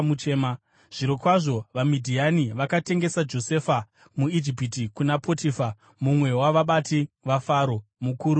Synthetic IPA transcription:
mut͡ʃema | ʐ̥iɾokwaʐo̞ʋamidʱianiʋakate̞ŋɡe̞sad͡ʒo̞se̞fa | muid͡ʒipitikunapʰotifa | mumwe̞waʋaɓatiʋafaɾo̞mukuːɾu

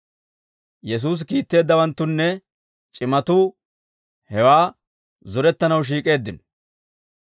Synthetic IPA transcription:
jɛs̬uːs̬kiːt̪ːe̞ːd̪ːɐwɐnt̪ːʊnːɛ | t͡ʃʼɪmɐt̪uː | hɛwaː | zʊɾɛt̪ːɐnɐwʃ̬iːkʼe̞ːd̪ːɪn

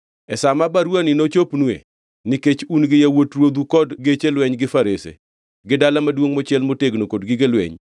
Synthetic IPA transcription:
ɛsamabaɾwanɪnot͡ʃopnwḛ | nɪket͡ʃunɡɪjawotɾwod̪ukɔdɡet͡ʃelwɛɲɡɪfaɾesḛ | ɡɪdalamadwoŋmɔt͡ʃɪɛlmoteɡnokodɡɪɡelwɛ̰ɲ

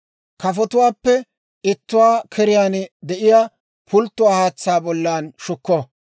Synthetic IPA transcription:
kɐfɔt̪ʊwaːpːɛ | ɪt̪ːʊwaːkʰɛɾɪjaːnd̪ɛʔɪjaː | pʰʊlt̪ːʊwaːhaːt͡sːaːbɔlːaːnʃʊkːɔ

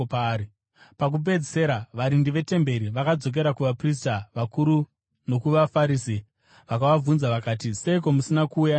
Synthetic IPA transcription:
pːi | pak̬up̬e̞d͡zise̞ɾaʋaɾindiʋe̞te̞mbe̞ɾiʋakad͡zo̞k̬e̞ɾakuʋapris̬taʋakuɾu | no̞kuʋafaɾiːsi | ʋakaʋavunzaʋakaːtise̞ik̬o̞musinakuːja

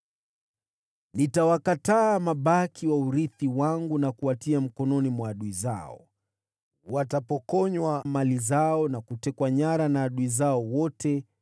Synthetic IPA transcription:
nitawakataːmaɓakiwauɾiθiwaŋɡunakuatiam̩kɔnɔnimwaːɗuiza̰ɔ̰ | watapɔkɔɲwamalizaɔnakutɛkwaɲaɾanaːɗuizaɔwɔtɛ

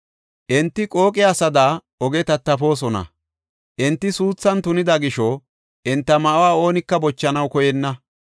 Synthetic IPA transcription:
ʔɪnt̪ːɪkʼo̞ːkʼɪaːsɐd̪aː | ɔɡɛt̪ɐt̪ːɐfo̞ːs̬ɔnɐ̰ | ʔɪnt̪ːɪsuːt͡sːɐnt̪ʊnɪd̪ɐɡɪʃɔ | ʔɪnt̪ːɐmɐʔwaːo̞ːnɪkːɐbɔt͡ʃːɐnɐwkɔjɛnːɐ

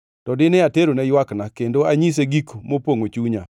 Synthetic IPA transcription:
tɔdɪnɪateɾonɛjwaknakendoaɲis̬eɡikmopoŋot͡ʃuɲa

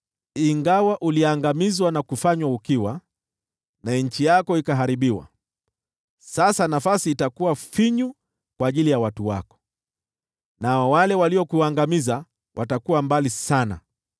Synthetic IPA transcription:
iŋɡawaʔuliaŋɡamizwanakufaɲwaukiwa | naɛɲ̩t͡ʃijakɔikaɦaɾiɓiwa̰ | sasanafasiːtakuwafiɲu | kwaːʄilijawatuwa̰kɔ̥ | naɔwalɛwaliɔkuaŋɡamiza | wʔatakuwambalisana̰

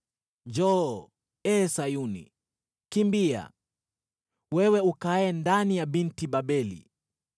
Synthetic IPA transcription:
d͡ʒɔ | ɛːsajunḭ | kimbia̰ | wɛwɛukaɛndanijaɓintiɓaɓɛlḭ

